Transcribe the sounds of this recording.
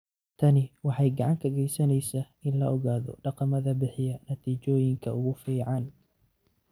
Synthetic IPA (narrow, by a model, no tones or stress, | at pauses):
t̪ʰɐnɪwɑħɑjɡɑʕɑŋkʰɐɣɛjsɐnɛjsɐ | ɪnlɐɔɣaːðɔ̰ɖɑqɑmɐðɐbɪħɪjɐnɐt̪ʰiːt͡ʃɔːjɪŋkʰɐʊɣʊfiːʕɑn